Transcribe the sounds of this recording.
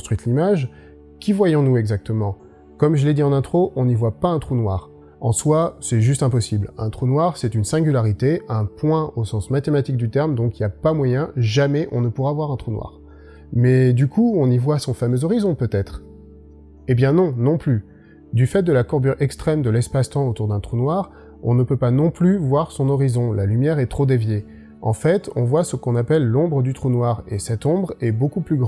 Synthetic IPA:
st̪χɥit̪limaʒ | kʲivwajɔ̃nuɛɡzak̚t̪əmɑ̃ | kɔmʒəled̪iɑ̃nɛ̃t̪χoʔɔ̃nivwapaɛ̃t̪χunwaːʁ | ɑ̃swasɛʒyst̪ɛ̃pɔsiblɛ̃t̪χunwaʁsɛt̪ynsɛ̃ɡʲylaʁit̪eɛ̃pwɛ̃osɑ̃smat̪emat̪ik̚d̪yt̪ɛʁmd̪ɔ̃kiljapamwajɛ̃ʒamɛʔɔ̃nəpuʁavwaʁɛ̃t̪χunwa̰ːʁ | mɛd̪ykʰuɔ̃nivwasɔ̃famøzɔʁizɔ̃pøt̪ɛt̪χ | ebjɛ̃nɔ̃nɔ̃ply | d̪yfɛt̪̚d̪əlakɔʁbyʁɛkst̪χɛmd̪əlɛspast̪ɑ̃ot̪uʁd̪ɛ̃t̪χunwaʁ | ɔ̃nəpøpanɔ̃plyvwaʁsɔ̃nɔʁizɔ̃lalymjɛʁɛt̪χod̪evje | ɑ̰̃fɛt̪ɔ̃vwasəkɔ̃napɛlːɔ̃bʁəd̪yt̪χunwaʁesɛt̪ɔ̃bʁɛbokuplyɡʁ̃

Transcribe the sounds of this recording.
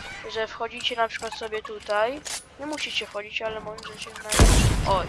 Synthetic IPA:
ʐɛfxɔd͡ʑit͡ɕɛnapʂɘ̥kwat̪sɔbʲjɛt̪ut̪ajɲɛmuɕit͡ɕɛfxɔd͡ʑit͡ɕalɛmɔnd̪ʐɛt͡ɕɛznaʔɔ

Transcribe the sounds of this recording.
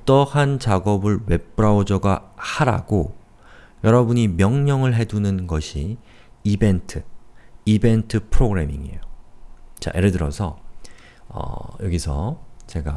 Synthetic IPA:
t͈ʌhant͡ɕaɡʌbɯɭwe̞p͈̚ɯɾaod͡ʑʌɡahaɾa̰ɡo | jʌɾʌbuɲimjʌŋɲʌŋɯɭɦe̞dunɯnɡʌɕʰi | ibe̞ntʰɯibe̞ntʰɯpʰɯɾoɡɯɾe̞miŋiḛjo | t͡ɕa̰ʔeɾɯdɯɾʌsʰʌ | ʌ̰jʌɡisʰʌ̰t͡ɕe̞ɡa

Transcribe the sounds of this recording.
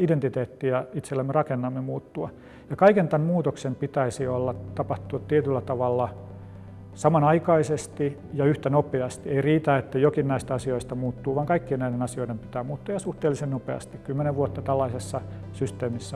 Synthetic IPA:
ident̪it̪eːt̪ːiɑit̪selːæmːerɑkenːɑmːemuːt̪ːuɑ | jɑkɑikent̪æmmuːt̪oksempit̪æisiolːɑt̪ɑpɑht̪utt̪iet̪ylːæt̪ɑʋɑlːɑ | sɑmɑnɑikɑisest̪i | jɑyht̪ænopeɑst̪ieiriːt̪æet̪ːæjokinnæist̪æɑsioist̪ɑmuːt̪ːuːʋɑŋkɑikːiennæidenɑsioidempi̥t̪æːmuːt̪ːuɑjɑsuht̪eːlisennopḛɑ̰st̪ikkymːeneʋʋuot̪ːɑt̪ælːɑisesːɑ | syst̪eːmisːæ

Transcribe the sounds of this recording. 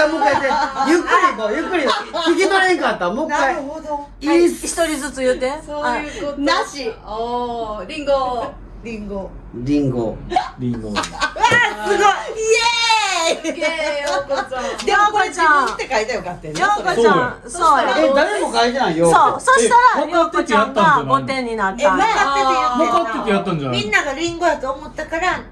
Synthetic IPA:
amokkːait̪ejɯkːɯɾʲimojɯkːɯɾʲiikʲid̪oɾekat̪ːamokːa | içi̥t̪oɾʲizɨt͡sɨjɯt̪ːesoaɯkonaɕi | ɾʲĩŋɡo | ɾʲĩŋɡo | ɾʲĩŋɡo̰ɾʲiŋɡo | sɨɡoe | d̪oɡot͡ɕãt̪ːekait̪ajokat̪ːed̪oɡosoãd̪e | soːed̪aɾemokait̪enãijososoɕt̪aɾaoat̪ːekʲijat̪ːãnd͡ʒanot̪ːẽɲ̟ːinat̪ːmakaeejamatkat̪ːekʲijat̪ːãnd͡ʒamĩnːaɡaɾʲĩŋɡojat̪oːmot̪ːakaɾa

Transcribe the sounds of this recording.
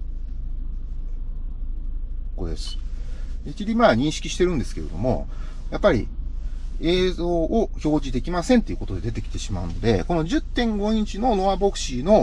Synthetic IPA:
ko̞d̪e̞̰sɨ̥d̪ekʲiɾʲimaɲ̟ĩɰ̃ɕi̥kʲiɕi̥t̪e̞ɾɯ̟̃nd̪e̞sɨ̥ke̞ɾe̞d̪o̞mo̞̰ | japːaɾʲḭ | e̞ːzo̞ːʔoço̞ːʑid̪e̞kʲimasẽ̞nt̪e̞iɯ̟ko̞t̪o̞d̪e̞d̪e̞t̪̬e̞kʲi̥t̪e̞ɕimaɯ̟no̞d̪e̞̰ko̞no̞d͡ʑɨt̪ːẽ̞ŋɡo̞ɲʲĩt͡ɕino̞no̞βabo̞kɯ̟̥ɕino̞

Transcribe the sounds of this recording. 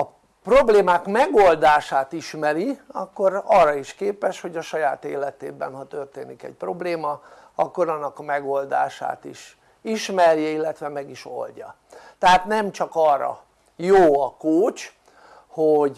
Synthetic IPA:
ɒ | pro̞bleːmaːkmɛɡo̞ld̪aːʃaːt̪iʃmɛɾiɒkːoɾɒrːɒiʃkeːpɛʃho̞ɟɒʃɒjaːt̪ḛːlɛt̪ḛːbɛ̰nhɒt̪ø̞rt̪eːnikɛ̰c̚pro̞bleːmɒɒkːo̞ɾɒnːɒkɒmɛɡo̞ld̪a̰ːʃa̰ːt̪iʃ | iʃmɛrjɛilːɛt̪ʋɛmɛɡiʃo̞̰lɟɒ | t̪ɛɦaːt̪nɛmt͡ʃɒkɒːrːɒ̰ | joːɒkoːt͡ʃ | hoɟ

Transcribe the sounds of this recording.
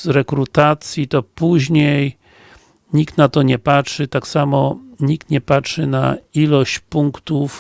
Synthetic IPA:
ɾɛkɾut̪at̪sʲjit̪ɔpuʑɲej | ɲikt̪nat̪ɔɲɛpatʂɘt̪aksamɔɲik̚t̪ɲɛpatʂɘna̰ilɔɕt͡ɕpuŋkt̪uf

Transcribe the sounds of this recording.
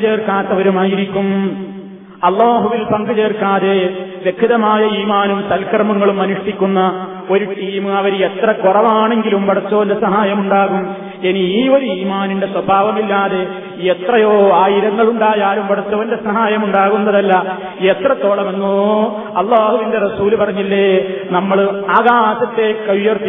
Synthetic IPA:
t͡ɕe̞ːrkaːt̪ːɐʋɐɾumaːjiɾikʲːum | ɐlːaːɦuʋilpɐŋɡɐd͡ʑe̞ːrkaːðe̞ʋjekʰːiðɐmaːjɐiːmaːnumsɐlkɐrmɐŋːɐɭumːɐnuʂʈikʲːunːɐ | o̞ɾuʈiːmɨɐʋɐɾet̪rɐkurɐʋaːɳe̞ŋɡilumpɐɽɐt͡ɕːɐʋɐnde̞sɐɦaːjɐmuɳɖaːɣum | eniiːo̞ɾuiːmaːninde̞swɐbʱaːʋɐmilːaːðe̞ | et̪rɐjoːaːjiɾɐŋːɐɭuɳɖaːjaːlumpɐɽɐt͡ɕːɐʋɐnde̞sɐɦaːjɐmuɳɖaːɣunːɐðɐlːɐ | e̞t̪rɐt̪ːo̞ːɭɐme̞nːo | ɐlˠːaːhuʋinde̞rɐsuːlupɐrɐɲːilːenɐmːɐɭaːɣaːsɐt̪ːe̞kɐʋjɐrt̪ːi

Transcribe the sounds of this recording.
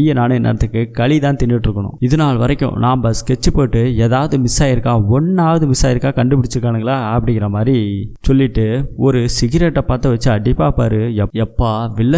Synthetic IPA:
jɐnaːɳɐɛnːɐ̰ɾɐt̪ːɯkːɯkɐɭit̪ãːnt̪ɪɳːɪʈːɪɾɯkːɐɳʊ̰̃ɪðɐnaːlʋɐɾɐkːʊ̰̃nãːmpɐskɛt͡ʃːɯpːoːʈːɯeːðaːʋɐðɯmɪsaːjɪɾɯkːãːɔnːaːʋɐðɯmɪsaːjɪɾɯkːaːkɐɳɖɯpɪɽɪt͡ʃːɯɾɯkːaːɳɐŋɡɐɭaːɐpːɐɽɪŋɪɾɐmaːd̪ɾisɔlːɪʈːɯɔɾɯsɪɣɪɾɛʈːɐpaːɾt̪ːɐʋɐt͡ʃːɯɐɖɪpːaːpːaːɾɯɛɛpːaːʋɪɭːɐ

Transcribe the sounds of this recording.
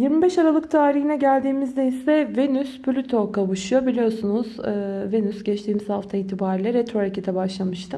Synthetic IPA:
jiɾmibɛʃaɾalˠɯk̚t̪ʰaːɾiɦinɛɟælʲd̪iːmizd̪ɛjisɛve̞nysplʲyt̪ʰo̞kaβɯʃɯjo̞bilʲijo̞sunuz̥ɯːvenysɟɛt͡ʃt̪ʰiːmizhaft̪ʰaiːt̪ʰibaːɾilʲɛɾet̪ɾoɾacit̪ʰɛbaʃlˠamɯʃt̪ʰɯm

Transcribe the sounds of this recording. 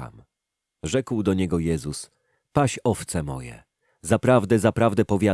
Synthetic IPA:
a̰m | ʐɛkwd̪ɔɲɛɡɔjɛzus | paɕɔft̪sɛmɔ̰jɛ̰ | zapɾavd̪ɛzapɾavd̪ɛpɔvʲja

